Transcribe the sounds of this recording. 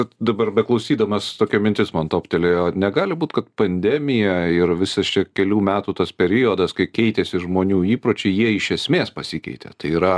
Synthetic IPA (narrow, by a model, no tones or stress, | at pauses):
kɐt̪d̪ɐbɐrbʲɛklˠɐʊsʲiːd̪ɐmɐst̪oːkʲoːmʲɪnʲt̪ʲɪsmoɐnt̪oːpʲt̪ʲɛlʲejonʲɛɡɑːlʲɪbuːt̪kɐt̪pɐnʲd̪ʲɛːmʲɪjɛɪɾʋʲɪsɐst͡ʃʲɛkʲɛlʲuːmʲæːt̪uːt̪ɐspʲɛɾʲɪjod̪ɐskɐɪkʲɛɪt̪ʲɛsʲɪʒmoːnʲuːiːpɾoːt͡ʃʲɛɪjiɛɪʃʲɛsʲmʲeːspɐsʲɪkʲɛ̰ɪt̪ʲɛ̰t̪ɐɪiːɾɐ